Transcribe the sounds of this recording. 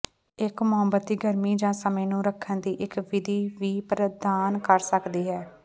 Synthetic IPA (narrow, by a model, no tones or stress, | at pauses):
ɪkmʊɦəmbət̪̚d̪iːɡəɾmiːd͡ʒãːsəmẽːnũːɾəkʰːənd̪iːʔɪkʋɪd̪ʱiːʋiːpɾəd̪aːnkəɾsəkd̪iːɦɛː